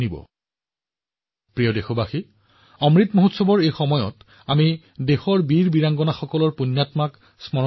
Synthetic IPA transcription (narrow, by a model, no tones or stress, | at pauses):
nibɔ̰ | pɹijɔdexobaxi | ɔmɹitmoɦutsɔbɔɹejxɔmɔjɔ̰t | ami | dexɔɹbiɹbiɹaŋɡɔnaxɔkɔlɔɹpunːatmak | smɔ